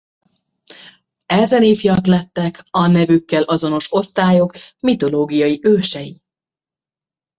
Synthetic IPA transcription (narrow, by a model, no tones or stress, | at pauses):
ɛzɛneːfiɒklɛt̪ːɛkɒnɛvykːɛlʔɒzo̞no̞ʃo̞st̪aːjo̞kmit̪o̞loːɡijɒjiʔøːʃɛji